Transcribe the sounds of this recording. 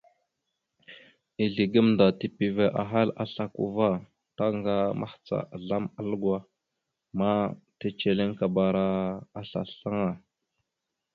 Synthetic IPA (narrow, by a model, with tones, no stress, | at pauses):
i˨ɮi˨ɡə˦mnda˨ti˦pi˨ve˨ʔa̰˨ɦa˦la̰˦ɬa˨kṵ˨va˦ | ta˦ŋɡa˦ma̰˦ht͡sa̰˨ɮa˦ma˦lɡwa˦ | ma˦ta˦t͡ʃe˨li˦ŋka˨ba˨ɾa˦a˦ɬa̰˨ɬa˦ŋa˨